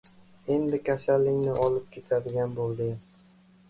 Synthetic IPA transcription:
e̞nd̪ɪkʲʰasalːɪŋnɪʔɒlɪp̚kʲʰe̞t̪ʰad̪ɪɡʲanbolˠd̪ɪ

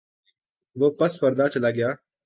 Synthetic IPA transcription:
ʋoːpəspəɾd̪aːt͡ʃɐlaːɡɪjaː

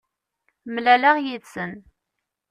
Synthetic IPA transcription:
mlælaʁjiðsən

